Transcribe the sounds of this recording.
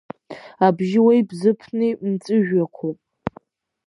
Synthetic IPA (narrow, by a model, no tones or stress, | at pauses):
abʒɪwajbzɨpʰnɨmt͡sʼɨʒᶣakʷʰopʼ